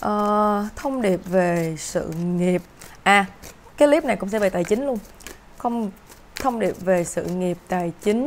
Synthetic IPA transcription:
ʔəː˨˩t̪ʰə˧wŋ͡mɗi˨˩əp̚ve˨˩sɨ̰˧˨ŋi˨˩əp̚ʔaː˨˩ | kaː˨˦jli˦˥p̚na˨˩jkʊ̰˧˥ŋ͡msɛ̰˧˥vaː˨˩t̪aː˨˩jt͡ɕï˨˦ŋ̟lu˧ən | xə˧wŋ͡m | t̪ʰə˧wŋ͡mɗi˨˩əp̚ve˨˩sɨ̰˧˨ŋi˨˩əp̚t̪aː˨˩jt͡ɕï˨˦ŋ̟

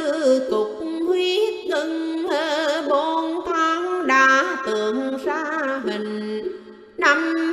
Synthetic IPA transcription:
ɨ˧t̪ʊ˨˩k͡p̚hwi˧˦t̪ɨ˧ŋhəː˧˩ɓo˧nt̪ʰaː˧˦ŋɗaː˨˩t̪ɨ˨˩əŋzaː˧mi˨˩ŋ̟ | na˧m

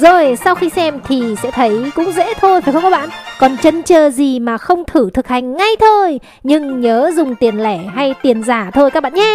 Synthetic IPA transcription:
zo˨˩jsa˧wxi˧sɛ˧mt̪ʰi˨˩sɛ̰˧˥t̪ʰə˨˦jkʊ̰˧˥ŋ͡mzḛ˧˥t̪ʰo˧jva˨˩xə˧wŋ͡mkɔ˨˦ɓa̰ː˧˨nkɔ˨˩nt͡ɕə˧nt͡ɕəː˧˩zi˨˩maː˨˩xə˧wŋ͡mt̪ʰɨ˧˩t̪ʰɨ˨˩k̚ha˨˩jŋ̟ːa˧jt̪ʰo˧j | ɲɨ˧ŋɲəː˨˦zʊ˨˩ŋ͡mt̪i˨˩ənlɛ˧˩ɦa˧jt̪i˨˩ənzaː˧˩t̪ʰo˧jkaː˦˥k̚ɓ̰a̰ː˧˨˩ɲa˨˦

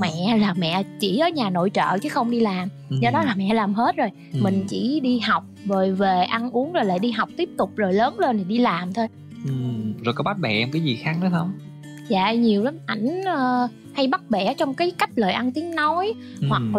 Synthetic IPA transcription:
mɛ̰˧˨laː˨˩mɛ̰˧˨t͡ɕḭ˧˩ʔəː˨˦ɲaː˨˩no̰˧˨jt͡ɕə̰ː˧˨t͡ɕɨ˨˦xə˧wŋ͡mɗi˧laː˨˩m | zɔː˧ɗɔ˨˦laː˨˩mɛ̰˧˨laː˨˩mɦe˦˥t̚zo˨˩j | mï˨˩ŋ̟t͡ɕḭ˧˩ɗi˧ɦa˨˩wk͡p̚vo˨˩jve˨˩ʔa˧nʔu˨˦əŋzo˨˩jla̰ː˧˨jɗi˧ɦa˨˩wk͡p̚t̪i˦˥əp̚t̪ʊ˨˩k͡p̚zo˨˩jləː˨˦nle˧nt̪ʰi˨˩ɗi˧laː˨˩mt̪ʰo˧j | ʔɨ˨˩zo˨˩jkɔ˨˦ɓa˦˥t̚ɓɛ̰˧˨ʔɛ˧mkaː˨˦jzi˨˩xaː˨˦˥ŋnə˨˦xə˧˩wŋ͡m | za̰ː˧˨ɲi˨˩əwla˨˦mʔa˧˩jŋ̟əː˧ | ha˧jɓa˦˥t̚ɓɛ˧˩t͡ɕɔ˧wŋ͡mkaː˨˦jka˦˥jk̚ləː˨˩jʔa˧nt̪i˨˦əŋnɔ˨˦j | hwa˨˩k̚

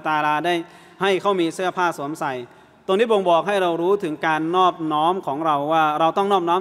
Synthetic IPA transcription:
t̪aː˧laː˧daː˥˩j | ha˥˩jkʰa˥˩wmiː˧sɯ˥˩ɐpʰaː˥˩su˩˦msa˨˩j | t̪o˧ŋʰiː˥˩bo˧ŋbɔː˨˩k̚ha˥˩jɾa˧wɾuː˦˥t̪ʰɯ˩˦ŋkaː˧nːɔː˥˩p̚nɔː˦˥mkʰɔː˩˦ŋɾa˧wːaː˥˩ɾa˧wt̪ɔ˥˩ŋnɔː˥˩p̚nɔː˦˥

